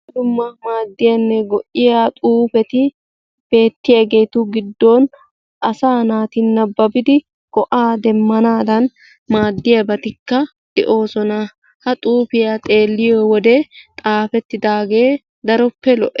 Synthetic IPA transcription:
d̪ʊmːɐmaːd̪ːɪjɐnːɛɡɔʔːɪjat̪ʼuːfɛt̪ɪ | b̥e̞ːt̪ːɪjɐɡeːt̪uɡɪd̪ːoːn | ʔɐsaːnaːt̪ɪnːɐbːɐbɪd̪ɪ | kɔʔaːd̪ɛmːɐnaːd̪ɐn | maːd̪ːɪjɐbɐt̪ɪkːɐ | d̪̥ɛʔo̞ːsɔna | hɐt̪ʼuːfɪjat̪ʼe̞ːlːɪjowɔd̪et̪ʼaːfɛt̪ːɪd̪aːɡeː | d̪ɐɾɔpːɛlɔʔɛ

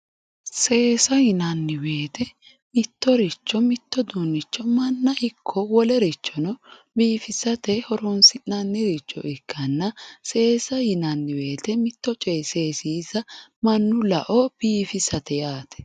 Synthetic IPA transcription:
se̞ːsɐhɪnɐnːɪwe̞ːt̪ɛ | mɪt̪ːɔɾɪt͡ʃːɔmɪt̪ːɔd̪unːɪt͡ʃːɔmɐnːɐʔɪkʰːɔwɔlɛɾɪt͡ʃːɔnɔ | biːfɪsɐt̪ɛhɔɾɔnsɪnɐnːɪɾɪt͡ʃːɔ̰ʔɪkʰːɐnːɐse̞ːsɐhɪnɐnːɪwe̞ːt̪ɛmɪt̪ːɔt͡ʃʼeːseːsiːzɐmɐnːʊlɐʔɔb̥iːfɪsɐt̪ɛjaːt̪ʰɛ̥

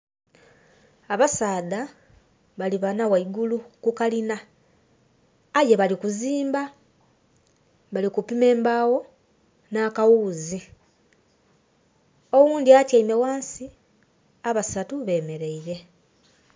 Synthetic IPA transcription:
aβasaːda | βaliβanawaiɡulukukalina | je̞βalikuziːmba | βalikupime̞ːmbaːwo̞ | naːkawuːzi | o̞wuːndiatjaimewaːnsi | aβasatuβe̞ːme̞ɾe̞iɾe̞

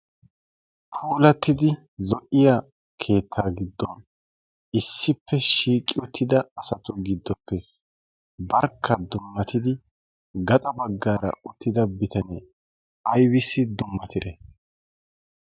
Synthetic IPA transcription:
pʰuːlɐt̪ːɪd̪ɪ | zɔʔɪja | kʰe̞ːt̪ʰːaːɡɪd̪ːɔn | ɪsːɪpːɛʃiːkʼːɪʊt̪ʰːɪd̪ɐɐsɐt̪ʊɡɪd̪ːɔpːɛ | bɐɾkʰːɐd̪ʊmːɐt̪ɪd̪ɪ | ɡɐt̪ʼɐbɐɡːaːɾɐ̰ʊt̪ːɪd̪ɐbɪt̪ʰɐneː | ɐjwɪsːɪd̪ʊmːɐt̪ɪd̪ɛ

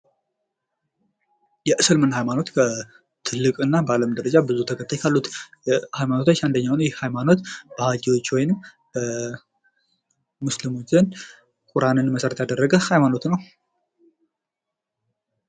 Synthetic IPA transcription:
jɛʔɨsɨlmɨnhajmano̞t̪kʰə | t̪ʰɨlːɨkʼɨnːabəaləmd̪əɾəd͡ʒabɨzut̪ʰəkʰət̪ʰʼːajkʰalːut̪jɛhajmanot̪ʰat͡ʃːand̪əɲːawnəwjɪhhajmano̞t̪b̥əhad͡ʒiwo̞t͡ʃːwɔjnɨm | bə | muslɨmot͡ʃːzən | kʼuɾanɨnməsəɾət̪jad̪ərːəɡəhajmano̞t̪nəw

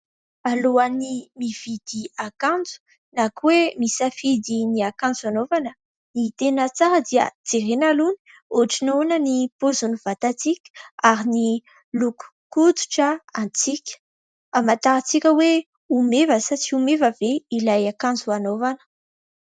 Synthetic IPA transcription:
aloanimiv̥id̪̥iakãnd͡zu̥ | nakwemisafid̪iniakãnd͡zuanovanə | nit̪enət͡saɾəd̪iə̰d͡z̥eɾenaluni̥ | oʈ͡ʂinonənipozunuv̥at̪at͡sikʲə̥aɾini | luku̥kud̪u̥ʈ͡ʂəant͡sikʲə̥ | amat̪aɾat͡sikʲəwe | umevəsat͡siumevəveilajakãnd͡zuanovanə̥

